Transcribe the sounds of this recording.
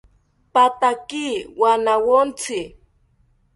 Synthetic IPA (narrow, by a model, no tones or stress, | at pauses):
pat̪akiwanawont͡sɪ